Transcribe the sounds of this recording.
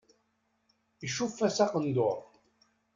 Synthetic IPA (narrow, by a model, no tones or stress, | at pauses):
iʃufːæsæqənd̪oɾˤ